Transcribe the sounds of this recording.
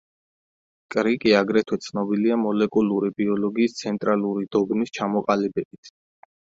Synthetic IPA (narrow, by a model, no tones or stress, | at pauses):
kʼɾikʼiaɡɾɛt̪ʰwɛt̪sʰnɔbiliamɔlɛkʼuluɾibiɔlɔɡiːst̪sʰɛnt̪ʼɾaluɾid̪̥ɔɡnist͡ʃʰamɔqʼalibɛb̥it̪ʰ